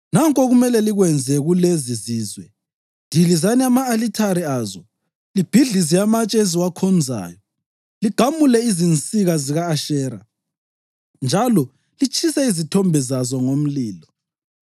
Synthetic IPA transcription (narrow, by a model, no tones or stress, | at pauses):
naŋkʼɔɣumɛlɛliɣwɛnd͡zʱɛɣuleziziːzwɛ | dʱilizaniamaːlitʰaɾiaːzɔ | lib̥ʱiɮizijamat͡ʃʼɛeziwakʰɔnd͡zʱa̰ːjɔ | liɡ̥ʱamulɛizint͡sʼiɣaziɣaːʃɛːɾa̰ | nd͡ʒʱalɔ | lit͡ʃʰʼisɛizitʰɔmbʱɛzazɔŋom̩liːlɔ